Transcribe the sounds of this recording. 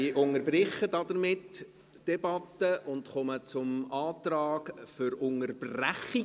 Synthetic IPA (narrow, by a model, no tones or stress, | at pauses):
ɪʔʊŋəɾbrɪχːədɑd̥̪əɾmɪtː | d̥ɛbɑtːəʔʊndχɔmət͡sʊmɑːtrɑːɡfʏɾʊŋərb̥ræχi